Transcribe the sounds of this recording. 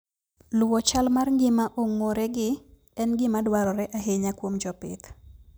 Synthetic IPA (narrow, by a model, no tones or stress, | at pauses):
lʊwɔt͡ʃalmarŋɡɪmaʔoŋoɾɛɡɪ | ɛnɡɪmadwaɾɔɾɛʔaɦeɲakwomd͡ʒɔpɪ̰t̪